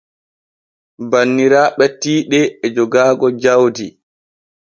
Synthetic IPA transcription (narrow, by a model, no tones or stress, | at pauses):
banːiɾaɓɛtːiːɗɛɛd͡ʒɔɡaːɡɔd͡ʒawdi